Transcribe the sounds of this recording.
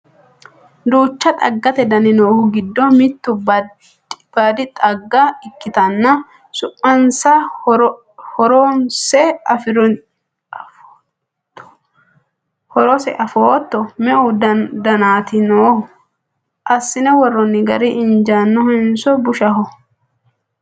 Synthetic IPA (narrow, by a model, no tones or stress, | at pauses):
d̪uːt͡ʃːɐt̪ʼɐ̰ɡːɐt̪ɛd̪ɐnɪnoːhʊɡɪd̪ːɔmɪt̪ːʊb | b̥aːd̪ɪt̪ʼɐɡːɐɪkːɪt̪ɐnːɐ | sʊpːɐnsɐ | hɔɾɔnsɛɐf | hɔɾɔsɛ̰ʔɐfoːt̪ːɔmɛʔʊdd̪ɐnaːt̪ɪnoːhʊ | ʔɐsːɪnɛwɔrːɔnːɪɡɐ̰ɾɪʔɪnd͡ʒaːnːɔhɛnsɔbʊʃɐɦɔ